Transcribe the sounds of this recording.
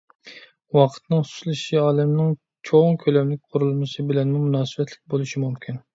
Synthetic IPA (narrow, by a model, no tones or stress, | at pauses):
wɑqʰə̥t̪nɨŋsu̥ʃlˠɨʃiɑːlˠɪmnɪŋ | t͡ʃʰoŋkʲʰølɛmlɪkʲqʰʊɾulˠmɨsɨbɪlɛnmumunɑːsɨbɛt̪ʰlɪk̚ʲbolˠɨʃimumkʲʰin